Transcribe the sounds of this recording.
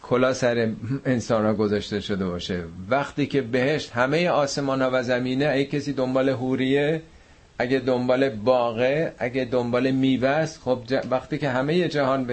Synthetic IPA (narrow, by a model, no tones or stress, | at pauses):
kʰolɒːsæɾeensɒːnhɒːɡozɒʃt̪e̞ʃod̪e̞bɒːʃevæχt̪iːcʰe̞be̞he̞ʃt̪hæmeje̞ɒːse̞mɒːnhɒːvæzæmiːneæecʲʰesiːd̪o̞mbɒːle̞ɦuɾije | ʔæɡæd̪ombɒːle̞bɒːɣeʔæɟed̪ombɒːle̞miːbæsxobd͡ʒævæxt̪iːce̞ɦæmeje̞d͡ʒæhɒːnb